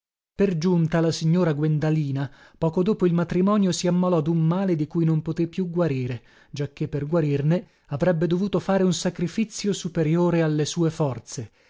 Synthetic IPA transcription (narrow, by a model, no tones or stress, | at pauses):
perd͡ʒunt̪alasiɲːoːɾaɡwend̪aliːna | pɔːkod̪oːpoilmat̪ɾimɔːnjosiamːalɔd̪umːaːled̪ikujnompot̪epːjuɡwaɾiːɾe | d͡ʒakːepːerɡwaɾirne | avɾɛbːed̪ovuːt̪ofaːɾeunsakɾifit̪sːjosupeɾjoːɾealːesuːefɔrt̪se